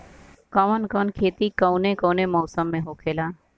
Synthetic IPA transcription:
kəʋənkənkʰeːt̪ikəwnekənemɔːsəmːẽɦoːkʰeːlaː

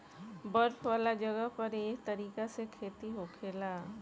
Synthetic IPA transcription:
bɐɾfʰʋaːlad͡ʒɐɡəpɐɾeːɦt̪ɐɾiːkasekʰeːt̪iɦoːkʰeːlaː

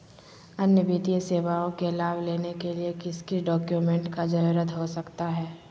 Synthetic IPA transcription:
ɐnjəbiːt̪ijəseːʋaõkelaːʋleːnekeliekɪskiɖɔːkjumɛ̃ɳʈkad͡ʒɐɾuɾət̪ɦosɐkt̪aɦɛː

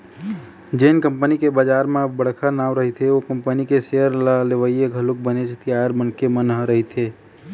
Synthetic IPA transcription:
d͡ʒeːnkəmpənikebad͡ʒaːɾmẽbəɽ̤kʰanaːwɾəɦit̪ʰeokəmpənikeseəɾlaleʋəjeɡʱəluk̚bənet͡ʃʰt̪iaəɾmənkemənɦəɾəɦit̪ʰe

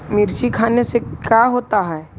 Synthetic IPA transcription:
mɪɾʃikʰaːnesekjaɦoːt̪aɦɛː

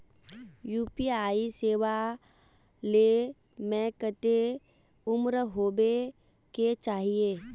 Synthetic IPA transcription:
juːpiaːiseːʋa | le | mɛ̃kət̪e | ʊmɾɦoːbe | ket͡ʃaːɦieː

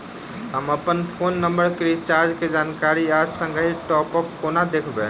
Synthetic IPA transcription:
ɦəməpənpʰonːəmbəɾkɾit͡ʃaɾd͡ʒked͡ʒankaɾiasəŋɡəɦiʈɔpəkːonad̪ekʰbe

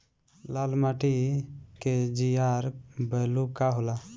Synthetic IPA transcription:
lalmaʈiked͡ʒijaɾbəlukaɦola

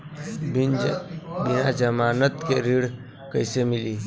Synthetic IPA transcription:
binbinad͡ʒəmaːnət̪keɾiɽ | kəjsemili

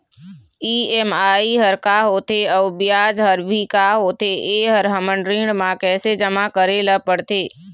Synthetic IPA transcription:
iːɛːmaːiɦəɾkaːɦoːt̪eɔːbɪjaːd͡ʒɦəɾbʱikaɦoːt̪eʔeːɦəɾɦəməɳɾɪ̃ɖmãkɛːsed͡ʒəmakəɾeləpəɽt̪eː

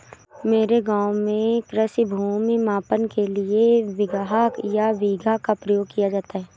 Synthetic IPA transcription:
meːɾeɡaːmẽkɾəsibʱuːmimaːpənkelieʋɪɡɦakjaʋiːɡʱakapɾəjoːɡ̚kijad͡ʒaːt̪aɦɛː

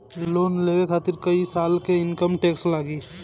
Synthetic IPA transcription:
loːnleːʋekʰaːt̪ɪɾkəisaːlkeɪnkəmʈeːkslaːɡiː

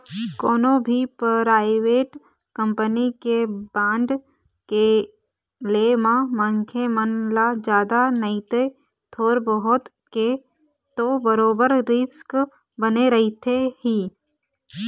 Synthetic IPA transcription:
koːnõbʱipɾaːɪʋeːʈ | kə̃mpənikebãːɳɖ | ke | lemãməŋkʰemənlad͡ʒjaːd̪anəit̪e | t̪ʰoːɾbəɦʊt̪ | ke | t̪obəɾoːbəɾɾɪsk | bəneɾɐɦit̪ʰehiː

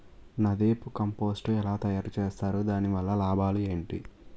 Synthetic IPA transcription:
nɐd̪eːpukɐmpo̞ːsʈuɛlaːt̪ɐjaːɾut͡ʃeːst̪aːɾud̪aːniʋɐlːɐlaːbʱaːlue̞ːɳʈḭ

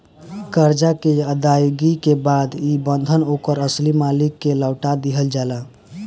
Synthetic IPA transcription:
kəɾd͡ʒakeəd̪ajɡikebad̪ibənd̪ʱənokəɾəslimalikːeləwʈad̪iɦəld͡ʒalə

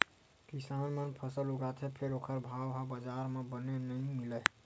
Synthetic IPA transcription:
kisanmənpʰəsəluɡat̪ʰepʰeɾokʰəɾbʱawɦabəd͡ʒaɾmebənenəjmilə

